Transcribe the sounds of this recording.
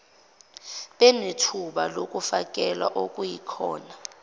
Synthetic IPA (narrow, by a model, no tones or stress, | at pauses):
ɓɛnetʰuɓalokʼufak̬ʼɛlwa̰ʔokʼujikʰɔːna